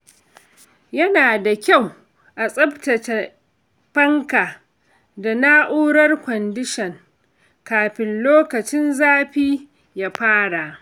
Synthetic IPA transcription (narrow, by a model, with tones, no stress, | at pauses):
jɐ˦naː˨da˨kʲa˦˨w | ʔa˨sʼɐ˦btɐ˨tɐ˨ | ɸɐ˦ŋka˨ | da˨naː˦ʔuː˦ɽɐ˦rkʷɔ˨ndɪ˦ʃɐ˨ŋ | kaː˨ɸɪ˨nloː˦kɐ˨t͡ʃɪ˦nzaː˦ɸiː˦ | ja˨ɸaː˦ɽa˨ʔ